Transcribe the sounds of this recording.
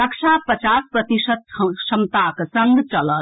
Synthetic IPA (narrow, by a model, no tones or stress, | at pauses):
əkʃʰapət͡ʃaspɾət̪isət̪̚ʃɐmt̪aksɐŋɡt͡ʃɐlə